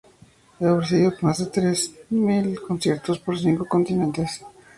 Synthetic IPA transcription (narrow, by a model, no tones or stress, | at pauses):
eoβɾes̬iðomazðet̪ɾesmilkonsje̞ɾt̪ospoɾs̬iŋkoko̞nt̪inẽ̞nt̪es